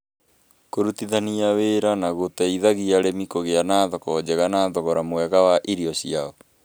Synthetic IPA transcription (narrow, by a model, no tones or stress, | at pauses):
koɾutiðaniaweɾanaɣotɛiðaɣiaɾemikoɣeanaːðɔkɔd͡ʑɛɣanaːðɔɣɔɾamwɛɣawaʔiɾiɔɕiaɔ